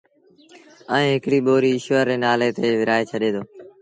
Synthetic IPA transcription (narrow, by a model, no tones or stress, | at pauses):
əẽːɦɪkɽiːɓoːɾiːɪʃʋəɾːeːnaːleːt̪eːʋɪɾaːeːt͡ʃʰəɗẽːd̪oː